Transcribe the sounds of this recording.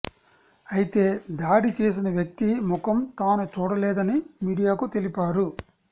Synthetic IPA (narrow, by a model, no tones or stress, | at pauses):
ɐjit̪e̞ːd̪aːɽit͡ʃeːs̬inɐʋjɐk̚t̪imʊkɐmt̪aːnut͡ʃuːɽɐlɛːd̪ɐnimiːɽijaːkut̪e̞lipaːɾu